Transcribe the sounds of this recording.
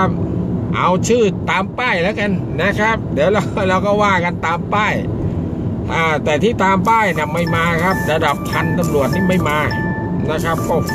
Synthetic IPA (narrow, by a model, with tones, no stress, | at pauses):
a˦˥p̚ʔa̰˧wt͡ɕʰɯː˥˩t̪ːaː˧mpaː˥˩jlɛː˦˥wka˧n | na˦˥kʰɾa˦˥p̚dɛː˨˦wɾa˧ɾa˧wkɔː˥˩waː˥˩ka˧nt̪aː˧mpaː˥˩j | ʔaː˧˩t̪ɛː˨˩t̪ʰiː˥˩t̪aː˧mpaː˥˩jna˧˩ma˧˩jmaː˧kʰa˦˥˩p̚ɾa˧da˨˩p̚t̪ʰa˧nt̪a˧mɾu˨˩ət̪̚nʰiː˥˩ma˥˩jmaː˧ | na˦˥kʰa˦˥p̚kɔ˧˥˩